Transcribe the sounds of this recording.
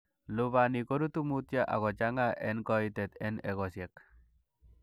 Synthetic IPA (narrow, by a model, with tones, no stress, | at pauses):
lu˨βa˨ni˨ko˦ɾu˦t̪u˦mu˦tja˦ʔa̰˨ɣɔ˨t͡ʃa˦ŋa˦ʔɛ˦nkɔ˦it̪ɛ˨t̪ɛ˦nɛ˨ɣɔ˨sjɛ˨k